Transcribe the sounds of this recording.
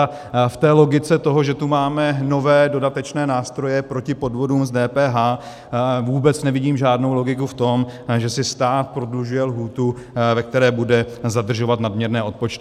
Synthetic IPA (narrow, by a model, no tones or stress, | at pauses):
ft̪ɛːlo̞ɡɪt͡sɛt̪o̞ɦoʒɛt̪umaːmɛno̞vɛːdo̞dat̪ɛt͡ʃnɛːnaːst̪ɾo̞jɛpɾo̞cɪpo̞dvo̞duːmzdɛːpɛːɦaː | vuːbɛt͡snɛvɪɟiːmʒaːdno̞wlo̞ɡɪk̬uft̪o̞mʒɛsɪst̪aːt̪̚pɾo̞dluʒujɛlɦuːt̪u | vɛk̚t̪ɛɾɛːbudɛzad̪r̩ʒo̞vat̪nadmɲɛɾnɛːʔo̞t̪̚pot͡ʃt̪ɪ